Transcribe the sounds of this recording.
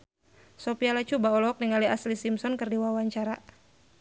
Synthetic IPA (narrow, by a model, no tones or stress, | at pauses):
sɔpialat͡ʃubaɔlɔɔk̚niŋaliaslisimsɔnkɨrdiwawaɲt͡ʃaɾa